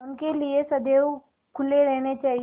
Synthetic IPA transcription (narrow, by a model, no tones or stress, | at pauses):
ʊnkeliesɐd̪eːw | kʰʊleɾɛɦñet͡ʃaːɦi